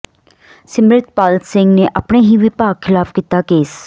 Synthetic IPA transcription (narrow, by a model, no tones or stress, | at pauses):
sɪmɾɪt̪paːlt̪sɪŋɡneːʔapɳeːɦiːʋiːpaːkʰːɪlaːfkiːt̪aːkeːs